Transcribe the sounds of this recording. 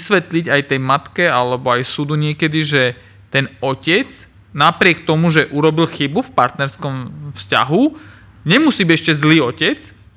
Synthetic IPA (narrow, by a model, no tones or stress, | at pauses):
sʋɛt̪liɟajt̪ɛjmat̪kɛalɛbɔajsud̪uɲɪɛkɛd̪iʒɛ | t̪ɛnɔcɛt͡s | napɾɪɛk̚t̪ɔmuʒɛʔuɾɔbilxibufpaɾt̪nɛɾskɔmfsca̰ɦu | ɲɛmusiːbiɛʃcɛzliːɔcɛt͡s